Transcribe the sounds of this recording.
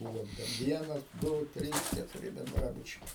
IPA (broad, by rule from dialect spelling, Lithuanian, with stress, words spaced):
ˈbʊʋoː tʲɛn ˈʋʲiɛnɐs ˈdʊ ˈtʲrʲiːs kʲɛtʊˈrʲɪ bʲɛnˈdrɑːbʊt͡ʃʲɛɪ